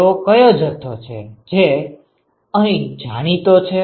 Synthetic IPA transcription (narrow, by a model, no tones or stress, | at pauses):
okəjõd͡ʒət̪ʰot͡ʃʰḛd͡ʒe | əɦĩd͡ʒaɽ̃it̪ot͡ʃʰe